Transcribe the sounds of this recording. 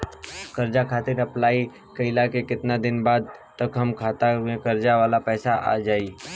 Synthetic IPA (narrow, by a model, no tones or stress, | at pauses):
kəɾd͡ʒakʰaːt̪ɪɾəplaːi | kəɪlakekɪt̪nad̪ɪnbaːd̪̚t̪əkɦəmkʰaːt̪aɦʊẽkəɾd͡ʒaʋaːlapɛːsaʔa̰d͡ʒaːi